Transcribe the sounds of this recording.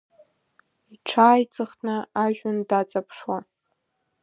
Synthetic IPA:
iʈ͡ʂʰaːjt͡sʼɨχʰnɨaʒᶣʊndat͡sʼapʰʂwa

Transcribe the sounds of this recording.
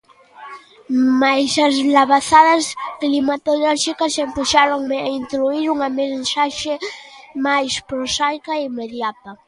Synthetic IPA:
majsazlaβaθaðasklimat̪oloɾʃikasempuʃaɾoŋaint̪ɾuiɾuŋamesaʃemajspɾosajkaimeðjat̪a

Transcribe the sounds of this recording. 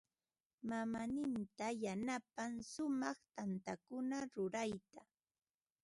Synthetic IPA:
mamanɪnt̪ajanapaŋsʊmɑχt̪ant̪akʊnaɾʊɾajt̪a

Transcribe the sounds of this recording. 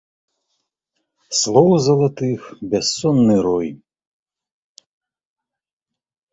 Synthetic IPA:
slˠɔwzɐlˠɐt̪ɨxbʲɛsːɔnːɨɾɔj

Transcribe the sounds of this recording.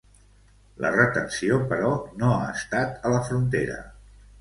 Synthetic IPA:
lʔə̰rət̪ənsiopəɾɔnoa̰əst̪at̪ələfɾunt̪eɾə̰

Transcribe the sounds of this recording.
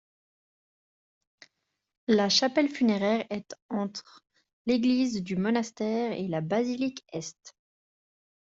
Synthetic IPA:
laʃapɛlfyneʁɛːʁɛt̪ɑ̃t̪χ | leɡlizd̪ymɔnast̪ɛʁelabazilikɛst̪

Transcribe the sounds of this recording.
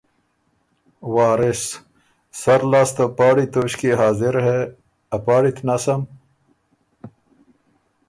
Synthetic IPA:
waːɾɪs | sɐɾlaːst̪apaːɽit̪oːɕkiɦaːziɾɦe | ɐpaːɽit̪ʰnaːsɐm

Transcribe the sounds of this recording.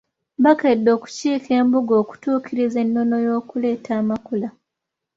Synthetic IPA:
bakedːo̞ːku̥ciːke̞ːmbuɡo̞ːku̥tuːkiɾize̞nːo̞no̞jo̞ːkule̞ːtʰaːmakula

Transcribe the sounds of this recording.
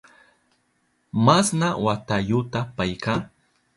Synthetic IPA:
masnawat̪ajʊt̪apajka

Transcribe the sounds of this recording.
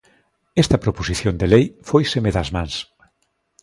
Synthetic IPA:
ɛst̪ɐpɾoposiθjond̪elejfojsemeðɐzmãŋs

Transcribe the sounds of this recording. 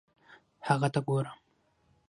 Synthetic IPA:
haɣat̪aɡoːɾam

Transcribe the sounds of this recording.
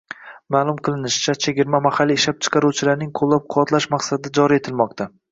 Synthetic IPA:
maːlˠʊmqʰɨlˠɪnɪʃɪ̥t͡ʃʰat͡ʃʰeɡʲɪɾmamahalːiɪʃlap̚t͡ʃʰɨ̥qʰɑɾuwt͡ʃʰɪlaɾnɪŋqʰolˠːap̚qʰʊwɒt̪laʃmaqsad̪ɪd͡ʒɒɾie̞t̪ʰɪlmɒq̚t̪ʰa

